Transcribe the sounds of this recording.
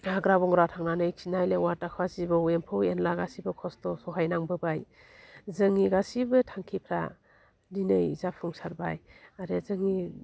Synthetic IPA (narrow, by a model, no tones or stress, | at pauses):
aɡɾabɔŋɾatʰaŋnanɯjkʰinajlewatakʰwazibɯwempʰɯwenlaɡasibɯkʰɔstɔsɔɦajnaŋbɯbaj | zɯŋiɡasibɯtʰaŋkʰipʰɾa̰ | dinɯjzapʰuŋsaɾbajaɾezɯŋi